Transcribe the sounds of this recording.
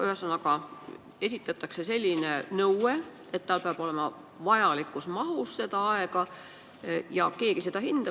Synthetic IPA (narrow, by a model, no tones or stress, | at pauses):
yhesɑnːɑkɑ | e̞sit̪ːˑɑt̪ːˑɑkse̞se̞lʲːinenɤwe | et̪ːt̪ɑlpeɑb̥o̞le̞mɑ | vɑjɑlikːˑusmɑɦusse̞d̪̥ɑɑeɡɑ | jɑke̞ːɡ̥ised̪ɑhind̪̥ɑ